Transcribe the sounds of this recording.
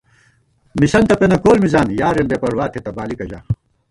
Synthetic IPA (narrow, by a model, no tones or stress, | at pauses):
misɐnt̪ɐpenɐkoːlmizaːnjaːɾenbepɐɾwaːt̪ʰet̪ɐbaːlikɐd͡ʑa̰ː